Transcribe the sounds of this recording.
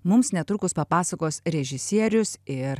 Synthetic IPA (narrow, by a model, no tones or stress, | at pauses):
mʊmsnʲɛt̪ɾʊkʊspɐpɑːsɐkoːsɾʲɛʒʲɪsʲiɛɾʲʊsɪɾ